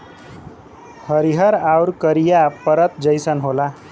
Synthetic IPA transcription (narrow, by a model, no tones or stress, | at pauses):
həɾiɦʌɾawɾkəɾijapəɾət̪d͡zəjsənɦola